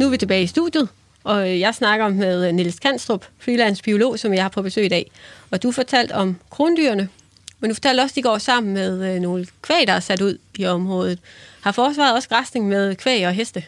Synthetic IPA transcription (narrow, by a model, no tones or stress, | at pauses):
nuʋit͡sʰe̝b̥ɛːɪisd̥ṵð̥juð̞̩ˠ | ɒ̽jɑ̈ɪsnɑ̈ɡ̥ɐɒ̽meðˠniləskʰæn̰sd̥ʁob̥fʁilæn̰sb̥io̝lo̝̰ːsɒ̽mjɑ̈ɪhɑ̈pʰɒ̽b̥e̝sø̰ːid̥ɛ̰ːɒ̽d̥ufɒt͡sʰæl̰d̥ɒ̽mkʰʁo̝ːnəd̥yɐnə | mend̥ufɒ̥t͡sʰæl̰d̥ɒ̽sd̥iɡ̥ɒ̰ːsɑ̈m̰n̩með̞ˠno̝ːləkʰʋɛ̰ɪd̥ɑ̈æsæd̥uð̞̰ˠiɒ̽mʁɔ̽ːð̞ˠð̩ˠhɑ̈fɒːs̬ʋɑ̈ð̩ˠɒ̽sɡ̥ʁɑsd̥e̝ŋmeðˠkʰʋɛ̰ɪɒ̽ɦesd̥ə